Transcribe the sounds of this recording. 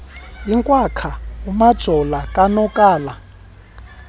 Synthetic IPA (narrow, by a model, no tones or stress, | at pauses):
iŋkʼwakʰaumḁʒ̥ʱɔlakʼanɔkʼaːla